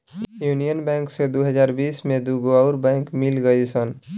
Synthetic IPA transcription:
juːnijənbɛ̃ːŋksed̪oɦəzaːɾbiːsmẽd̪uɡoaʊɾbɛ̃ːŋkmɪlɡəisən

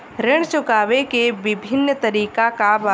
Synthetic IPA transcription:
ɾɪɽ̃t͡ʃʊkaːʋekeʋɪbʱɪnːt̪ɐɾiːkakaba

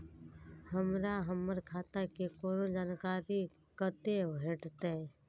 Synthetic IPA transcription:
həmɾaɦəmːəɾkʰaːt̪akekoːnõd͡ʒaːnkaːɾi | kət̪ebʱeːʈt̪e

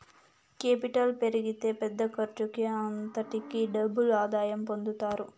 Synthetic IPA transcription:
keːpiʈɐlpe̞ɾiɡit̪e̞ːpɛd̪ːɐkɐɾt͡ʃukiɐnt̪ɐʈikiɖɐbːulaːd̪aːjɐmpo̞nd̪ut̪aːɾu

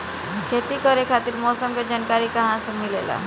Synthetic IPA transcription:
kʰeːt̪ikɔɾekʰaːt̪iɾmɔːsəmkad͡ʒaːnkaːɾikɐɦãsemɪlela̰ː

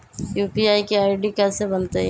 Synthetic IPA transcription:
juːpiaːikeaːɪɖikɛsebɐnt̪eɛ

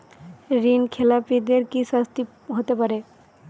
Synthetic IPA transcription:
ɾinkʰelapid̪eɾkiʃast̪i | ɦot̪epaɾe

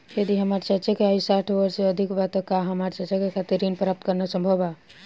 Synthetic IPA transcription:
jɐd̪iɦɐmaːɾt͡ʃat͡ʃakeaːisaːʈʰʋəɾseɐd̪ʱikbat̪okaɦɐmaːɾt͡ʃɐt͡ʃakekʰat̪iɾinpɾaːp̚t̪kɐɾnasə̃mbʱəba

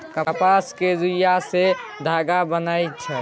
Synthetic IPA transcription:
kəpasked͡ʒujased̪ʱaːɡabənajt͡ʃʰɛ

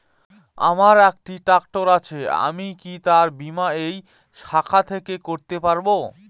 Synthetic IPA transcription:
a̰maɾɛk̚ʈiʈakʈoɾat͡ɕʰea̰mikit̪aɾbimaej | ʃakʰat̪ʰekekoɾt̪epaɾbo

